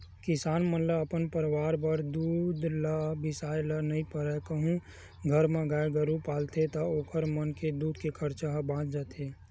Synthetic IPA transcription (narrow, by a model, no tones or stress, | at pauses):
kɪsaːnmənləəpənpəɾwaːɾbəɾd̪uːd̪ʱlabɪsaːjlənəɦĩpəɾɛkəɦũ | ɡʱəɾmẽɡaːeɡəɾupaːlt̪ʰet̪əoːkʰəɾmənked̪uːd̪̚kekʰəɾt͡ʃaɦbãːt͡ʃd͡ʒat̪eː